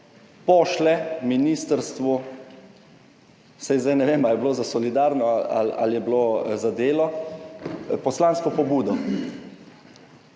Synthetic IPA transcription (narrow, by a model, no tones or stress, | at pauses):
pɔːʃlɛminist̪əɾst̪ʋu | sajzd̪ajnɛʋeːmaljɛbloːzasɔlid̪aːɾnɔa̰la̰ljɛblozad̪eːlɔ | pɔslaːnskɔpɔbuːd̪ɔ